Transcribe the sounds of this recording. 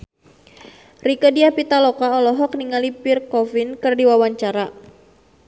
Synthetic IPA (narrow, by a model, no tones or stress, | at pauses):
rikədiapit̪alɔkaɔlɔɦɔk̚niŋalipirkɔfinkɨrdiwawaɲt͡ʃaɾa